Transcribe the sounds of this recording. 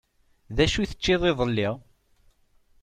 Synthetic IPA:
ðæʃuθə̥t͡ʃːiðˤeðˤəlːɪʁ

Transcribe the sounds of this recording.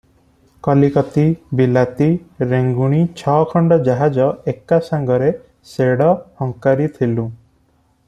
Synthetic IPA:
kɔlikɔt̪ibilat̪iɾeŋɡuɽ̃it͡ʃʰɔkʰɔɳɖɔd͡ʒaɦad͡ʒɔekasaŋɡɔɾe | seɽɔhɔŋkaɾit̪ʰilũ

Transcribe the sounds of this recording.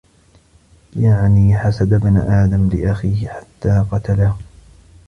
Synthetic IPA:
jaʕniːħasad̪abna̰ʔaːd̪amlɪʔaxiːhɪħḁt̪ːaːqɑt̪alah

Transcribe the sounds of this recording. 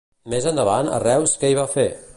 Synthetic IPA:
mezənd̪əβanə̰rɛwskɛiβafe

